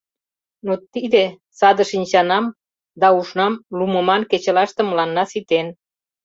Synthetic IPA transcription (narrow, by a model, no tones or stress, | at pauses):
not̪id̪e | sɑd̪əʃinʲt͡ɕɑnɑm | d̪ɑuʃnɑmlumə̆mɑnket͡ɕə̆lɑʃt̪ə̆məlɑnːɑsit̪en